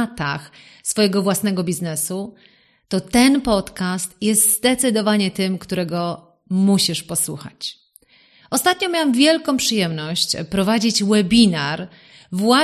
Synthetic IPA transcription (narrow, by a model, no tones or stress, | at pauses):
t̪a̰x | sfɔjɛɡɔvwasnɛɡɔbʲiznɛsu | t̪ɔt̪ɛnpɔt̪kast̪jɛst̪zd̪ɛt̪sɨd̪ɔvaɲɛt̪ɘmkt̪uɾɛɡɔ | muɕiʂpɔswṵxa̰t͡ɕ | ɔst̪at̪̚ɲɔ̃mʲjawamvʲjɛlkɔ̃w̃pʂɨjɛmnɔɕt͡ɕpɾɔvad͡ʑit͡ɕwɛbʲinaɾ | vwa